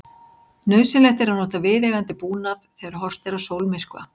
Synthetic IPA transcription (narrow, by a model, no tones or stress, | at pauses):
nœːɥsɪnlɛxt̪ɪɾanɔːt̪avɪːðɛɣant̪ɪpuːnaðθɛːɣaɾɦɔr̥t̪ɛɾasowlmɪr̥kva̰